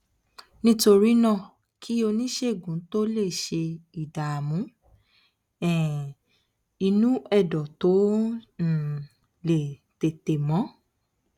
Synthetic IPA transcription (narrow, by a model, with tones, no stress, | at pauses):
nĩ˦to˧ɾi˦nã˦˨ | kʰi˦o˧nĩ˦ʃe˦˨ɡũ˨˦to˦le˦˨ʃe˧i˨da˨a˨mũ˨˦ | ɛ̃˨ | i˧nũ˦ɛ˦˨dɔ˨to˨˦n̩˨ | le˨ | te˨te˨mɔ̃˨˦